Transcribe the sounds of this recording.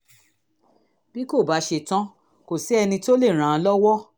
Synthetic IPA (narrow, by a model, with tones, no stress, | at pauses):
b̥i˦ko˦˨ba˨˦ʃe˧˨tã˦ | ko˨si˨˦ɛ˧nĩ˧to˦le˦˨ɾ̃ã˨˧˦lɔ˦wɔ˦